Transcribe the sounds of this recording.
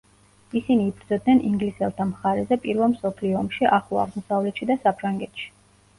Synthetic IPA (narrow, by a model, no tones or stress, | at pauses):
isiniːbɾd̪zɔd̪nɛniŋɡlisɛlˠt̪ʰamχaɾɛzɛpʼiɾvɛlˠmsɔpʰliɔɔmʃiʔaχua̰ʁmɔsavlɛt̪ʃid̪asapʰɾaŋɡɛt̪ʃi̥